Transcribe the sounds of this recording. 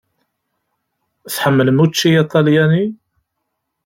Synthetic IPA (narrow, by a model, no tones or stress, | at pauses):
θħəmːələmut͡ʃːiit̪ˤɑljæni